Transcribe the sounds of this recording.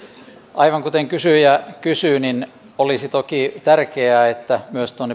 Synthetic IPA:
ʔɑiʋɑŋkut̪eŋkysyjɑkysyːnin | olisit̪okit̪ærkeæːet̪ːæmyøst̪uonːe

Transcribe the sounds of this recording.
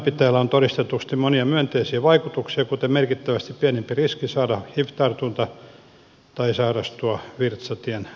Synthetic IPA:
pit̪ːæːlːæont̪oɾist̪et̪ust̪imoniɑmyønt̪eisiːʋɑikut̪uksiɑkut̪emerkit̪ːæʋæst̪ippienempiriskisɑːdɑhift̪ɑrt̪unt̪ɑ | t̪ɑisɑːrɑst̪uɑʋirt̪sɑt̪ien

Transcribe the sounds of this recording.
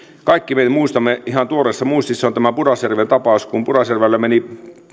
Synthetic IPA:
kɑikːimeit̪æmuist̪ɑmːeihɑnt̪uoɾesːɑmuist̪isːeont̪æmæpurɑsjærʋent̪ɑpɑuskumpurɑsjærʋælːemeni

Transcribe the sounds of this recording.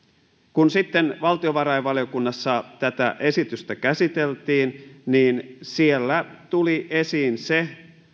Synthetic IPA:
kunsit̪ːenʋɑlt̪ioʋɑɾɑjʋʋɑlijo̞kunːɑsːɑt̪æt̪æ̰ʔe̞sit̪yst̪ækæsit̪elt̪iːnniːnsielːæt̪uliʔesiːnse

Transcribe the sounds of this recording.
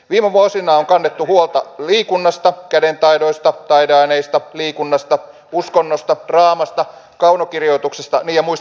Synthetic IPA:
ʋiːmeʋuosinɑːoŋkɑnːet̪ːuhuolt̪ɑliːkunːɑst̪ɑkædent̪ɑjdo̞ist̪ɑt̪ɑideɑineist̪ɑliːkunːɑst̪ɑ | uskonːost̪ɑd̥rɑːmɑst̪ɑ | kɑunokirjo̞it̪uksest̪ɑ̰niːjɑmuis

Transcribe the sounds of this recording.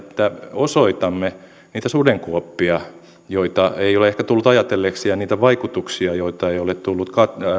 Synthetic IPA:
t̪ːæosoit̪ɑmːe | niːt̪æsudeŋkuopːiɑ | joit̪ɑeioleehkæt̪ulːut̪ɑjɑt̪elːeksiɑniːt̪æʋɑikut̪uksiɑjoit̪ɑeijolett̪ulːut̪kɑt

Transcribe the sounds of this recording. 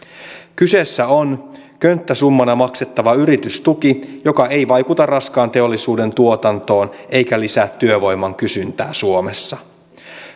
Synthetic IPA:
kyse̞sːæo̞nkønt̪ːæsumːɑnɑmɑkse̞t̪ːɑʋɑyɾit̪yst̪ukijo̞kɑe̞jʋɑjkut̪ɑrrɑskɑːnt̪eo̞lːisuːde̞nt̪uo̞t̪ɑnt̪o̞ːne̞jkælisæːt̪ːyøʋo̞jmːɑŋkysynt̪æːsuo̞me̞sːɑ

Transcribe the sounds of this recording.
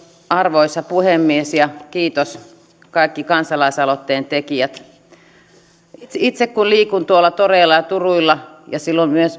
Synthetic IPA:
ɑrʋoisɑpuhemːiesjɑkiːt̪os | kɑˑikːikɑnsɑlɑisɑlot̪ːeːnt̪ekiæt̪ | it̪sekkunliːkunt̪uolːˑɑt̪oreːlːˑɑjɑt̪uruilːɑjɑsilːommyøs

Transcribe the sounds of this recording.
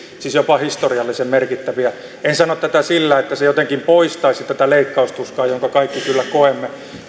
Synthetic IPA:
sisjopɑhist̪oriɑlːisemmerkit̪ːæʋiæ | ensɑnot̪t̪æt̪æsilːæːet̪ːæsejot̪eŋkimpoist̪ɑisit̪æt̪æleikːɑust̪uskɑːjoŋkɑkɑikːikylːækoemːe

